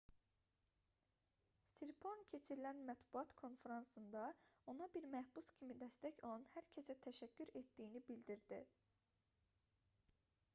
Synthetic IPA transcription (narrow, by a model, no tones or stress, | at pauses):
siɾpʰoɾncʰe̞t͡ʃʰiɾilænmæt̪buɑt̪kʰo̞nfeɾɑnsɯnd̪ɑo̞nɑbiɾmæhbuscʲʰimid̪æst̪æçolˠɑnhæɾcʰesæt̪ʰæʃæcʰːyɾet̪d̪ijːnibild̪iɾd̪i